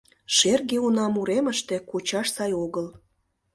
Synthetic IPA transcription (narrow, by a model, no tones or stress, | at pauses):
ʃerɣeunɑmuɾeməʃt̪e̽kot͡ɕɑʃsɑjoɣəl